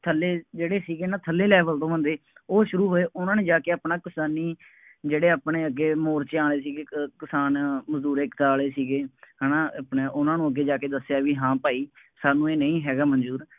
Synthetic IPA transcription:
t̪ʰəlːeːd͡ʒeːɽeːsiːɡeːnãːt̪ʰəlːeːlɛːʋəlt̪õːʋə̃nd̪eːoːʃʊɾuːɦoːeːʔʊnãːneːd͡ʒaːkeːaːpnaːkɪsaːniː | d͡ʒeːɽeːaːpɳeːəɡeːmoːɾt͡ʃeãːɽeːsiːɡeːkɪsaːnməzd̪uːɾeːkt̪aːleːsiːɡeːɦənãːpɳeːʔʊnãːnũːəɡːeːd͡ʒaːkeːd̪əsejaːʋiːɦãːpaːiː | saːnũːeːnəĩːɦɛːɡaːmənd͡ʒuːɾ

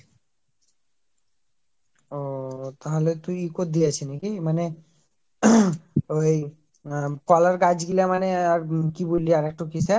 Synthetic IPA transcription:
ot̪aɦolet̪ujikot̚d̪iat͡ɕʰinikimane | oj | kɔlaɾkad͡ʑɡilamaneaɾkibolːiaɾɛk̚ʈokisɛ

